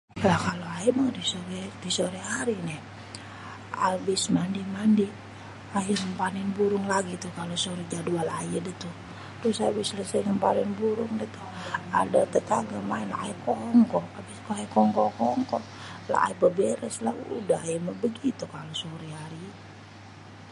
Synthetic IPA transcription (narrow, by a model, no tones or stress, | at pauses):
lahkaloajimaŋdisoɾɛdisoɾiɦaɾinɛh | a̰bɪsmandimandi | ajəməmpaninbuɾʊŋlaɡit̪ukalosoɾid͡ʒadualajədət̪u | dosabɪsləsəjməmpanɛnbuɾʊŋdɛt̪ua̰dat̪ət̪aɡamainlaʔaikɔɔŋkɔabɪskoajkɔŋkɔkɔɔŋkɔ | la̰a̰ibəbɛɾɛslaṵdaɦajəməbəɡit̪ukalosoɾiɦaɾi